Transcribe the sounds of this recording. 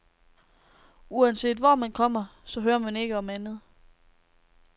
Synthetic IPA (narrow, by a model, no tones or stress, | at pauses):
uænse̝̰ːd̥ʋɒmænkʰɒ̽m̰ɐsɒ̽ɦøːɐmæne̝ɡ̥əɒ̽mænð̞̩ˠ